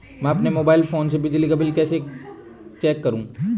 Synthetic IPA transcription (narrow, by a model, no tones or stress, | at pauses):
mɛ̃ɐpnemoːbaːɪlfoːnsebɪd͡ʒlikɐbɪlkɛːse | t͡ʃɛːkːɐɾũː